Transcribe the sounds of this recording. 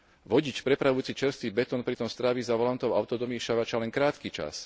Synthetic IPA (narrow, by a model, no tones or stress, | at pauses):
ʋɔɟit͡ʃpɾɛpɾaʋuʊt͡sit͡ʃɛɾst̪ʋiːbɛt̪ɔnpɾit̪ɔmst̪ɾaʋizaʋɔlant̪ɔʊaʊt̪ɔd̪ɔmiːʃaʋat͡ʃalɛŋkɾaːt̪kit͡ʃa̰s